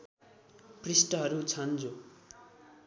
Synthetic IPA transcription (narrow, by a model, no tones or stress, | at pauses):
prisʈʌɦʌɾut͡sʰʌnd͡zo